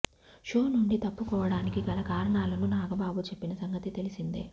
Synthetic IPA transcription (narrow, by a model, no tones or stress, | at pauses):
ʃo̞ːnuɳɖit̪ɐpːukɔːʋɐɽaːnikiɡɐlɐkaːɾɐɳaːlɐnunaːɡɐbaːbut͡ʃe̞pːinɐsɐŋɡɐt̪it̪e̞lisind̪ḛː